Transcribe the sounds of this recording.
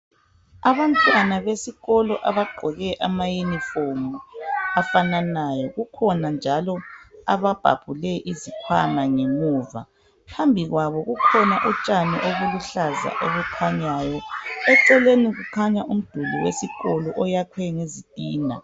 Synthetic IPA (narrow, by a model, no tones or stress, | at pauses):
aβantʼwanaβesiɣɔlɔʔaβaɡ͡ǃʱɔɣɛʔamajunifomuafananajɔɣukʰɔnand͡ʒʱalɔa̰βab̥ʱa̰b̥ʱulɛʔizikʰwanaŋeŋuːva̰ | pʰambʱiɣwaβɔɣukʰɔnaʔɔt͡ʃʼaniʔoɣuluɬaza̰ʔoɣukʰaɲajɔɛǀɛleniɣukʰaɲaʔum̩d̥ʱulṵwesiɣɔlɔʔɔjakʰwɛŋezid̥ʼʱiːna̰